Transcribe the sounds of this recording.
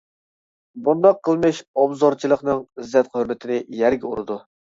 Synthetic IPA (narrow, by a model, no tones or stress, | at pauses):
bund̪ɑqʰːəlˠmɨʃɑbzɑɾt͡ʃʰilˠəqnɨŋzɛt̪̚qhøɾmɪt̪ʰɪnɪjɛɾɡʲɛuɾɨd̪u